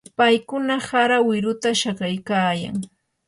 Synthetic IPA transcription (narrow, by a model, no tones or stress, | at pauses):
pajkʊnahaɾawɪɾʊt̪aʃakajkaːja̰ŋ